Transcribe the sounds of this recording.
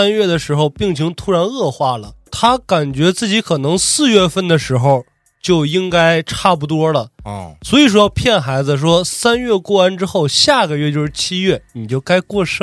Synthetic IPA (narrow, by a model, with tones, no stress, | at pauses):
a˥nɥɛ˥˩d̪ə˩ʂɻ̩˧˥xo˧ʊpi˥˩ŋt͡ɕʰi˧˥ŋt̪ʰu˥ɻa˧˥nɤ˥˧xwa˥˩lə˩t̪ʰa˥ka˨˩nt͡ɕɥɛ˧˥t͡sɹ̩˥˩t͡ɕi˧˥kʰɤ˨˩nɤ˧˥ŋsɹ̩˥˧ɥɛ˥˧fə˥˩nd̪ə˩ʂɻ̩˧˥xo˧ʊ | t͡ɕjo˥˩ʊi˥ŋka˥ɪʈ͡ʂʰa˥˩p̬u˧˩t̪wɔ˥lə˨swɔ˧˥i˨˩ʂ̬wɔ˥pʰjɛ˥˩nxa˧˥ɪd͡z̩˧ʂ̬wɔ˥sa˥nɥɛ˥˧kwɔ˥˩a˥nʈ͡ʂɻ̩˥xo˥˧ʊɕja˥˩ɡə˩ɥɛ˥˧t͡ɕjo˥˧ʊʂɻ̩˥˧˩t͡ɕʰi˥ɥɛ˥˩ni˨˩t͡ɕjo˥˩ʊka˥ɪkwɔ˥˧ʂ